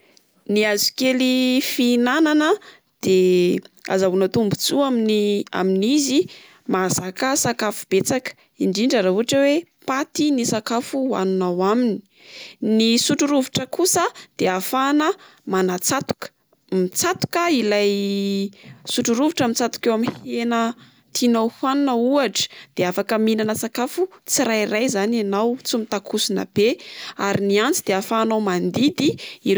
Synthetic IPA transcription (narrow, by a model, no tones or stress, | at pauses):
niazu̥kelifinananə | d̪̥e | a̰zaunət̪umbut͡suaminia̰minizi | mazakəsakafu̥b̥et͡sakə̥ | iɳɖ͡ʐiɳɖ͡ʐaɾauaʈ͡ʂəwepat̪inisakafua̰nunawamini̥ | nisuʈ͡ʂuɾuviʈ͡ʂəkusəd̪̥eafanə | manat͡sat̪u̥kə̥ | mit͡sat̪u̥kəilaj | suʈ͡ʂuɾuviʈ͡ʂəmit͡sat̪u̥kewamihenə | t̪inowhanunəuaʈ͡ʂə̥d̪̥eafakəminanəsakafut͡siɾajrajzananawt͡sumit̪akʰusinə̰b̥eaɾiniant͡sid̪eafanawmand̪id̪ii